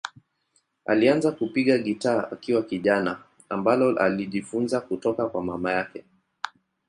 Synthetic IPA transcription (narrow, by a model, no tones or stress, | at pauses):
a̰lianzakupiɠaɠitaːakiwakiʄana | ambalɔa̰liʄifunzakutɔkakwamamajakɛ